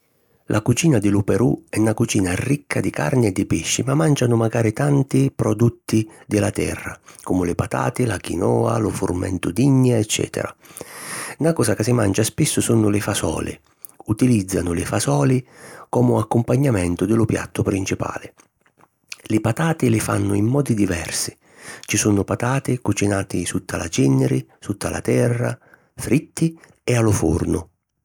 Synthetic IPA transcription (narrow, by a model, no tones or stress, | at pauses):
lʔakut͡ʃiːnad̪ɪlʊpɛɾuɛnakut͡ʃiːnarikʰːad̪ɪka̰rnɪɛd̪ːɪpɪʃːimamːand͡ʒanʊmaɡaːɾɪt̪ant̪ipɾɔd̪ut̪ːid̪ɪlat̪ɛ̰rːa̰kɔmʊlɪpat̪a̰ːt̪ɪlakḭnɔːa̰lʊfʊ̰rmɛ̰nt̪ʊd̪iɲːaɛt͡ʃːɛ̰ːt̪ʰɛ̰ɾa̰ | nakɔːsakɪsɪmand͡ʒaspɪsːʊsunʊlɪfasɔ̰ːlɪ̰ | ut̪ilid̪zːanʊlɪfasɔːlɪkɔmʊakːʊmpaɲːamɛnt̪ʊd̪ɪlʊpja̰t̪ːʊpɾint͡ʃipa̰ːlɪ | lɪpat̪aːt̪ɪlɪfa̰nːʊimːɔːd̪id̪ivɛ̰rsɪ̥ | t͡ʃisunʊpat̪aːt̪ɪkut͡ʃinaːt̪ɪsut̪ːalat͡ʃinːɪɾɪsut̪ʰːalʔa̰t̪ɛrːa̰ | fɾit̪ːi | ɛalʊfṵrnʊ